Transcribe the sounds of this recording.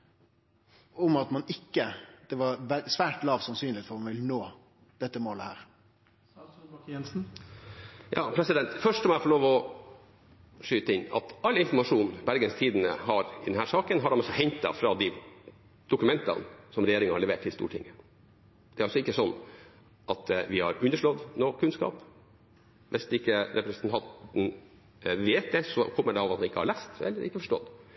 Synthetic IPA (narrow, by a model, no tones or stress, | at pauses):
ʊmɑt̪mɑnɪkːəd̪̥ɛʋɑɾʋɛsʋæːʈlɑːʋsɑnsyːnlɪt̪fɔɾmɑnʋɪlənoː | d̪̥ɛt̪ːəmoːləhæ̰ːɾ | ɛnsn̩ | jɑ̰ːpʰɾɛsɪd̪ɛnt̪fœʂʈsɔmæfɔɭoːʋɔ | ʂyːt̪əɪnːɑ̰t̪ɑlːɪnfɔɾmɑʂuːnbæɾɡənst̪ʰiːd̪ənə̰hɑɾɪd̪ɛnhæːɾʂɑːkənɦɑɖɛmɔsɔhɛɲt̪ɑ̰fɾɑd̪ɪ | d̪̥ʊkʉmɛnt̪ɑ̰nsɔmɾɛjeːɾɪŋənhɑɭɛʋḛːʈʰːɪlst̪ṵːʈʰɪ̰ŋːə | d̪̥ɛæɾɑlsɔɪkːəsɔnː | ʔɑt̪ʋɪhɑ̰ɾʉnːəʂɭɔd̪noːkʰʉnskɑ̰ːp | ʋɛsd̪ɛɪkːəɾɛpɾɛsənt̪ʰɑnt̪n̩ | ʋeːt̪̚d̪ɛsɔkʰɔmːəɖɛɑːʋɑt̪̚hɑnɪkːəhɑ̰ɭæst̪ɛ̰lːəɾɪkːəfɔʂʈɔ̰d̪